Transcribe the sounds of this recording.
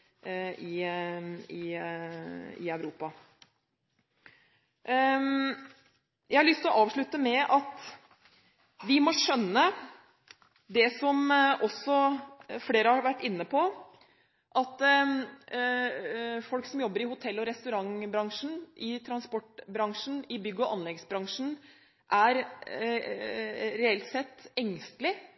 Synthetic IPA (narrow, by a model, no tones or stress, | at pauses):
ɪ | ɪ | ɪ̰œʉʋɾuːpɑ | jæɪhɑɭʏst̪lɔʔɑːʋʂɭʉt̪ːəmɛʔɑt̪ | ʋɪmɔʂœnːə | d̪ɛsɔmʔɔsɔfleːɾəhɑɾʋæʈːɪnːəpʰɔ | ʔɑt̪ | fɔlksɔmjɔbːəɾɪhʊt̪ʰɛlːɔɾɛst̪ʉɾɑŋbɾɑŋʂn̩ʔɪt̪ʰɾɑnspɔʈbɾɑŋʂn̩ɪbʏɡːəɔʔɑnlɛɡsbɾɑŋʂn̩ | ʔæɾ | ɾɛɛlt̪sɛt̪ːɛŋst̪lɪ